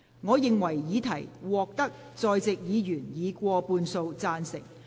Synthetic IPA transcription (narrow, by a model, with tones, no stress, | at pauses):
ŋɔː˨˧jɪ˨ŋwɐ˨˩jːiː˨˧t̪ʰɐ˨˩jwɔː˨k̚t̪ɐ˥k̚ | t͡sɔː˨˧jt͡sɪ˨k̚jiː˨˧jyː˨˩njiː˨˧kʷɔː˧puː˧nso˧wt͡saː˧nsɪ˨ŋ̚